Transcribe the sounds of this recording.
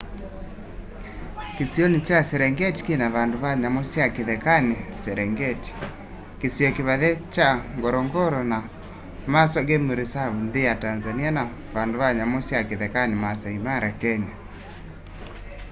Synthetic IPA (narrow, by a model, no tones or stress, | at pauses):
kesjɔnit͡ʃasɛɾɛŋɡɛti̥kenaβandoβaɲamosjakeðɛkanesɛɾɛŋɡɛti̥ | kesjɔkeβaðɛt͡ʃaŋɡɔɾɔŋɡɔɾɔna | maswaɡemoɾesaβundejatanzaniana | βandoβaɲamosjakeðɛkanemasaimaɾakɛɲa